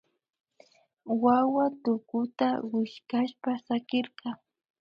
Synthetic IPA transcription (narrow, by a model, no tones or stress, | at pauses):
wawat̪ʊkʊt̪awɪʃkaʃpasakɪɾqɑ